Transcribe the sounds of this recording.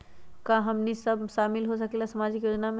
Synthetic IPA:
kaɦɐmnisɐbʃaːmɪlɦosɐkelasɐmaːd͡ʒɪkjoːd͡ʒnamẽ

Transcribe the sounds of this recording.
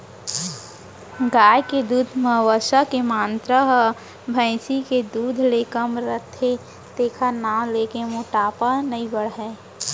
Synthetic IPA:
ɡaːjked̪uːd̪ʱməɦʋəʃakemaːnt̪ɾəɦə | bʱə̃ɪsiked̪uːd̪ʱleːkəmɾət̪ʰːe | t̪eːkʰanaːleːkemoːʈaːpənəibəɽɦɛː

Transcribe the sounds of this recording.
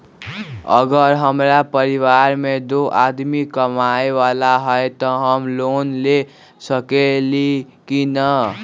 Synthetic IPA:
ʌ̰ɡʌɾɦəmɾapəɾiwaɾmed̪oʔad̪mikʌmaewalaɦɔet̪ʌɦʌmlonle | sʌkeli | kinʌ

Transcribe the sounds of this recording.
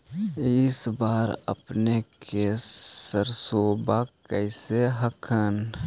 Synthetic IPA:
ɪsbaːɾə̰pnekesəɾsoːbakəɪseɦəkʰən

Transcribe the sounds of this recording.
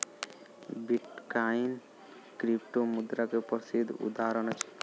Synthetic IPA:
biʈkain | kɾipʈomud̪ɾakepɔɾsid̪ʱːṵd̪aɾɔnɔt͡ʃʰe̥

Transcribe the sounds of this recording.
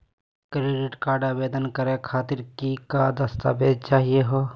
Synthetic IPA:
kɾeɖɪʈkaːɾɖabeːd̪ənkəɾekʰaːt̪ɪɾkikad̪əst̪a̰ːbeːd͡ʒt͡ʃaːɦieɦoː

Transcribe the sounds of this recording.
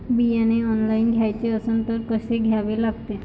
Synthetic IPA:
bijaneɔnlajnɡʱajt̪eɔsɔnt̪ɔɾkɔseɡʱabelaɡt̪e

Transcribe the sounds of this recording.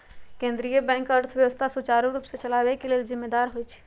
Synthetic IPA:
kẽnd̪ɾijəbɛ̃ŋkəɾt̪ʰəbjəʋəst̪ʰasut͡ʃaɾuɾuːpsẽt͡ʃəlabekelelzimːed̪aɾɦojt͡ʃʰ

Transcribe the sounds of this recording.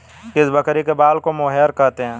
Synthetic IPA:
kɪsbɐkɾikebaːlkomoːɦjəɾkɐɾt̪eɦɛ̃ː

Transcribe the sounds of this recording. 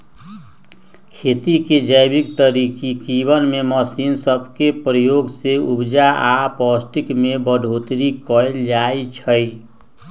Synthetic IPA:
kʰet̪iked͡ʒəjbikt̪əɾikikibənmeməsinsəbʱkepɾəjoɡseubd͡ʒaapɔsʈikmebəɖʱot̪ɾikɔeld͡ʒaet͡ʃʰəj

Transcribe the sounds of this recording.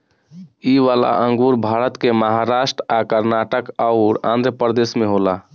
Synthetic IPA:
iʋala̰ʔə̃ŋɡuɾbʱaɾət̪keməɦaɾasʈɾakəɾnaʈəkaʊɾã̰nd̪ʱɾəpəɾd̪esmẽɦola

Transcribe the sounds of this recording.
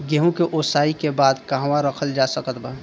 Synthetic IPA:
ɡeɦũkeʔosaːikebaːd̪kaɦwãɾəkʰəld͡ʒasəkət̪bə

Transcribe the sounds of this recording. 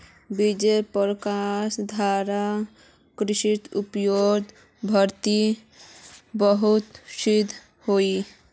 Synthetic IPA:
bid͡ʒepəɾkasd̪ʱaɾa | kɾiʃit̪upjod̪ | bʱəɾt̪i | bəɦut̪sid̪ʱ | hoi

